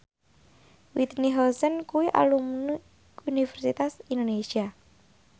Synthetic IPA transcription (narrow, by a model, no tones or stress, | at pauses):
wit̪niɦɔsənkuwiʔa̰lumn | unifɛrsit̪asind̪onesia